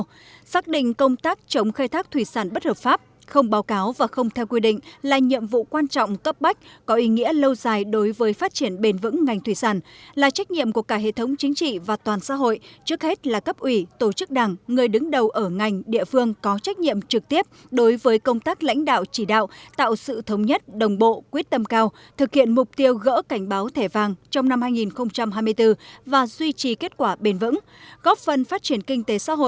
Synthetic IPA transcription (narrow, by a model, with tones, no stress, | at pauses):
saː˦˥k̚ɗḭ˧˨ŋ̟kə˧wŋ͡mt̪aː˦˥k̚t͡ɕə˨˦wŋ͡mxaː˧jt̪ʰaː˦˥k̚t̪ʰwi˧˩saː˧˩nɓə˦˥t̚həː˨˩p̚faː˦˥p̚ | xə˧wŋ͡mɓaː˨˦wkaː˨˦wvaː˨˩xə˧wŋ͡mt̪ʰɛ˧wkwi˧ɗḭ̈˧˨ŋ̟laː˨˩ɲḭ˧˨əmvṵ˧˨kwaː˧nt͡ɕɔ̰˧˨wŋ͡mkə˦˥p̚ɓa˦˥jk̟̚kɔ˨˦ʔi˨˦ŋḭ˧˥ələ˧wzaː˨˩jɗo˨˦jvəː˨˦jfaː˦˥t̚t͡ɕi˧˩ənɓe˧˩nvɨ̰˧˥ŋːa˨˩jŋ̟t̪ʰwi˧˩saː˧˩nlaː˨˩t͡ɕa˦˥jk̟̚ɲḭ˧˨əmku˧˩əkaː˧˩ɦḛ˧˨t̪ʰə˨˦wŋ͡mt͡ɕï˨˦ŋ̟t͡ɕḭ˧˨vaː˨˩t̪waː˨˩nsa̰ː˧˥ɦo̰˧˨jt͡ɕɨ˦˥ək̚he˦˥t̚laː˨˩kə˦˥p̚ʔwi˧˩t̪o˧˩t͡ɕɨ˦˥k̚ɗa˨˩ŋːɨ˨˩əjɗɨ˨˦ŋɗə˨˩wʔəː˧˩ŋa˨˩jŋ̟ɗḭ˧˨əfɨ˧əŋkɔ˨˦t͡ɕa˦˥k̚ɲḭ˧˨əmt͡ɕɨ˨˩k̚t̪i˦˥əp̚ | ɗo˨˦jvəː˨˦jkə˧wŋ͡mt̪aː˦˥k̚la̰˧˥jŋ̟ɗa̰ː˧˨wt͡ɕi˧˩ɗa̰ː˧˨wt̪a̰ː˧˨wsɨ̰˧˨t̪ʰə˨˦wŋ͡mɲə˦˥t̚ɗə˨˩wŋ͡mɓo̰˧˨kwi˦˥ət̚t̪ə˧mkaː˧w | t̪ʰɨ˨˩k̚hḭ˧˨ənmʊ˨˩k͡p̚t̪i˧əwɣə̰ː˧˥ka˧˩jŋ̟ɓaː˨˦wt̪ʰe˧˩vaː˨˩ŋt͡ɕɔ˧wŋ͡mna˧mhaː˧jŋi˨˩nxə˧wŋ͡mt͡ɕa˧mɦaː˧jmɨ˧əjt̪ɨ˧vaː˨˩zwi˧t͡ɕi˨˩ke˦˥t̚kwaː˧˩ɓe˧nvɨ̰˧˥ŋ | ɣɔ˦˥p̚fə˨˩nfaː˦˥t̚t͡ɕi˧˩ənkï˧ŋ̟t̪e˨˦sa̰ː˧˥ɦo̰˧˨